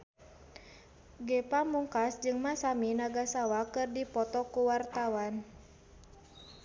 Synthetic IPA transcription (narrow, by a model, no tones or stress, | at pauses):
ɡɛpamuŋkasd͡ʒɨŋmasaminaɡasawakɨrdipɔt̪ɔkuwart̪awan